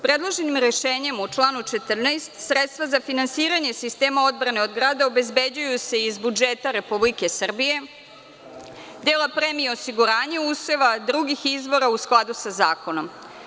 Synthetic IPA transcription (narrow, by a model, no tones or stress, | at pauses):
pɾed̪lˠoʒenimɾe̞ʃeːɲe̞mut͡ʃlˠaːnut͡ʃe̞t̪r̩nest̪sɾet̪st̪ʋazafinansiːɾaɲe̞sist̪eːmao̞d̪bɾane̞od̪ɡɾaːd̪ao̞be̞zbed͡ʑujuse̞izbud͡ʒet̪aɾe̞publike̞sr̩bije̞ | d̪eːlapɾemieosiɡuɾaːɲeuseʋad̪ɾuɡixizʋo̞ɾausklˠad̪usazaːko̞no̞m